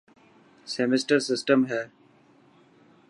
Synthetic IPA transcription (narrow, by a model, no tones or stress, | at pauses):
sɛmɪsʈəɾsɪsʈəmɦɛː